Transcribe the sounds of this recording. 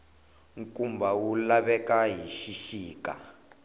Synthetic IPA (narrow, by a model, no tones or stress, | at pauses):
ŋkumbawulaβɛkaɦiʃiʃiːka̰